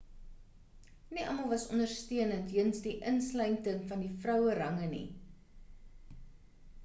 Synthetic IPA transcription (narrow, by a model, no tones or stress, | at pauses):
niʔɐməlˠvɐsɔndərstiənəntɦənsdiʔənslɛjntəŋfɐndifrœwəɾɐŋənḭ